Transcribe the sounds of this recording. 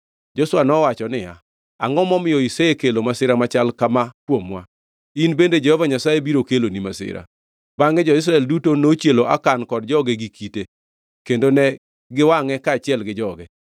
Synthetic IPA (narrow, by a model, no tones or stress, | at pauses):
d͡ʒoswanɔwat͡ʃɔnɪja̰ | aŋɔmɔmɪjɔiseekelomasɪɾamat͡ʃalkamakwomwa̰ | inbended͡ʒɛhɔvaɲasajebiɾokelonimasɪ̰ɾa̰ | baŋɛd͡ʒɔɪs̬ɾaɛldutonot͡ʃjeloʔa̰kankɔdd͡ʒɔɡeɡikʰite | kendonɛ | ɡɪwaŋɛkaːt͡ʃɪɛlɡɪd͡ʒɔɡɛ